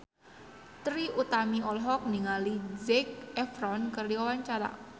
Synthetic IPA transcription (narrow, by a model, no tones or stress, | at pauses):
t̪ɾiʔut̪amiɔlɦɔk̚niŋalizɛk̚ɛfɾɔnkərdiwawaɲt͡ʃaɾa̰